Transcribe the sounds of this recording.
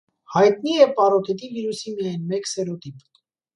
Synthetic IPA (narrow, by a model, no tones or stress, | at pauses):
hɑjt̪niɛpɑɾɔt̪ɛt̪iviɾusimijɑjnmɛksɛɾɔt̪ip